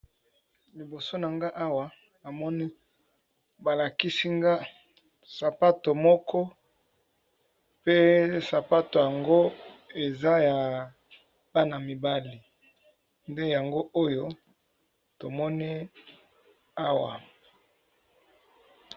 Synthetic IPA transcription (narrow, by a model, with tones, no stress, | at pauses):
li˨bo˨so˦na˨ŋɡa˦ʔa˦wa˨ | a˨mɔ˦ni˦ | ba˨la˨ki˦si˦ŋɡa˦ | sa˨pa˦to˨mɔ˦kɔ˦ | pe˦sa˨pa˦to˨ja˨ŋɡo˦e˨za˦ja˨ | b̥a˦na˨mi˨ba˦li˨ | nde˦ja˨ŋɡo˦ʔo˦jo˦ | to˨mɔ˦ni˦ | a˦wa̰˨